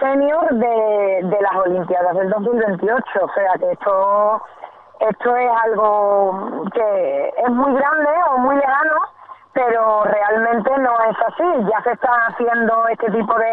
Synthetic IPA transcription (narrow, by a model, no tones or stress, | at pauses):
senjoɾðe̞d̪e̞laso̞limpjaðaɦðeld̪o̞ɦmilβe̞nt̪io̞t͡ʃoːse̞akeest̪ʰo | e̞st̪ʰoe̞salɣo | kee̞ɦmwiɣɾand̪e̞omwile̞ɣanope̞ɾore̞almẽnt̪e̞nõ̞e̞sasiʝase̞st̪aaθje̞nd̪oe̞st̪e̞t̪̬ipo̞ðe